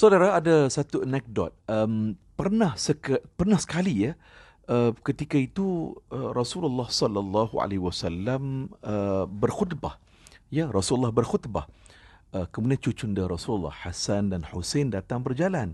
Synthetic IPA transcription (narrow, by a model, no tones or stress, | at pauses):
sodaɾaadasat̪uənɛk̚dɔ̰t̪̚əmpərnãhsəkpərnahsə̥kalia | ʔəkət̪ikait̪uərɔsululːɑhsɔlalːɑɦua̰lehiwasalːaməbərxut̪bah | jarɔsululːɑhbərxut̪ba̰h | əkəmudiant͡ʃut͡ʃundəɾɔsuləlːa̰hhasandanħusendat̪aŋbərd͡ʒalan